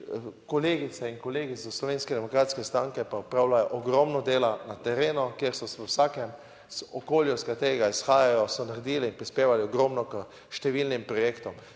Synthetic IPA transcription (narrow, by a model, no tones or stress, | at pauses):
kɔleːɡit̪ɛinkɔleːɡizɔslɔʋeːnskɛd̪ɛmɔkɾaːt̪skɛst̪ɾaŋkɛpaupɾaːwlajɔʔɔɡɾɔmnɔd̪eːlanat̪ɛɾeːnɔkjeɾsɔsɛəwsaːkɛm | zɔkoːljɔskat̪eːɾɛɡaisxaːjajɔsɔnaɾɛd̪iːlɛinpɾispeːʋaliɔɡɾɔmnɔkə | ʃt̪ɛʋilnimpɾɔjeːkt̪ɔm